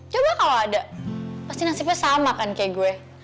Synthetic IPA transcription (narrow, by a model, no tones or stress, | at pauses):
t͡ʃobakaloadapast̪inasip̚ɲasamakankajaɡuɛ